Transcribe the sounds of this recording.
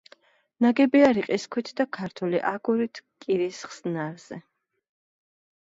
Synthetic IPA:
naɡɛbiaɾiqʼiskʰwit̪ʰd̪akʰaɾt̪ʰwɛliʔaɡuɾit̪ʰkʼiɾisχsnaɾz̥ɛ

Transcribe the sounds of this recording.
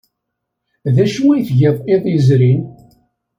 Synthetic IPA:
ðæʃwijθʝeðˤeðˤjzɾin

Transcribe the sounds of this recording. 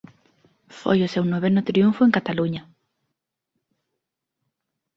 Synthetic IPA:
fo̰jʊsewnoβenʊt̪ɾiuɱfoeŋkat̪aluɲa

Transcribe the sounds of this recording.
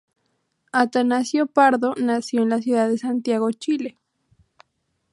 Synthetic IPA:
at̪anasjopaɾðonasjoenlas̬juðaðesant̪jaɣot͡ʃile

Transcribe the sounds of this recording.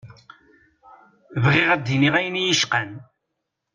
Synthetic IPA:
vʁɪʁæd̪ːiniʁæjnijəʃqæn

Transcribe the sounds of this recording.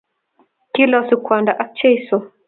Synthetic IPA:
kilɔsikʷandaʔak̚t͡ʃɛjsɔ

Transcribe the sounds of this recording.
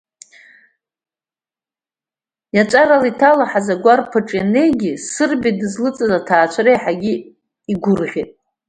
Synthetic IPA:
jat͡ʃʷʼaɾalitʰalaħazaɡʷarpʰaʈ͡ʂʼjane̞jɡʲisɨrbidɨzlɨt͡sʼɨzatʰaːt͡ʃʷʰɾejħaɡʲi | iɡʷʊrʁʲitʼ

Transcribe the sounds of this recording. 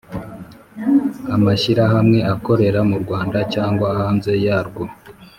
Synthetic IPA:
amaʃiɾaɦamŋe̞ʔako̞ɾe̞ɾamuɾɡwaːndacaːŋɡwahaːnze̞jaːɾɡwo

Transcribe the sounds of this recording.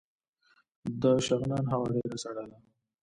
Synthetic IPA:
d̪əʃaɣnɑːnɦawaɖeɾasaɽala

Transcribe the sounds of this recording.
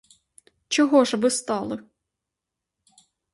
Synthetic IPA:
t͡ʃɔɦɔʒʋɪst̪ɑlˠɪ

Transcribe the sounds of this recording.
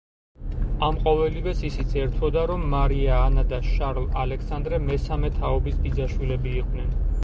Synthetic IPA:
amqʼɔvɛlivɛsisit̪sʰɛɾt̪ʰɔd̪aɾɔmːaɾiaːnad̪aʃaɾlˠalɛksand̪ɾɛmɛsamɛt̪ʰaɔbisbid̪zaʃwilɛbiːqʼd̪nɛn

